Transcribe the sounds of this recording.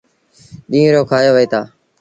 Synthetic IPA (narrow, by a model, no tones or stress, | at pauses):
ɗĩːɾoːkʰaːjoːʋəiːt̪ʰaː